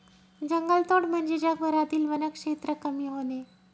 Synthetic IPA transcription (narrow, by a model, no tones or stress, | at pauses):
d͡ʑəŋɡəlt̪oɽm̤əɳd͡ʑed͡ʑakbəɾat̪iːlʋənəkʂet̪ɾəkəmiːɦone